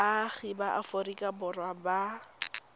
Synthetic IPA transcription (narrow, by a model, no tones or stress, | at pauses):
aɣibaʔa̰forikʼabʊrwaba